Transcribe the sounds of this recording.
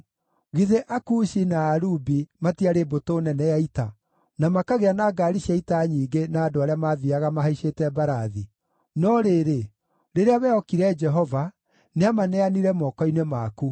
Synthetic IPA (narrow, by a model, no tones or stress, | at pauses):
ɣiðeʔakuʃinaːɾubimatiaɾebotoːnɛnɛjaita | namakaɣeanaːɡaɾiʃjaitaɲiːɡenaːdoaɾeamaðiaɣamaɦaiʃeːtɛbaɾaði | nɔɾeɾe | ɾeɾeaβɛɔkiɾɛd͡ʒɛɦɔva | neamanɛaniɾɛmɔkɔinemaːku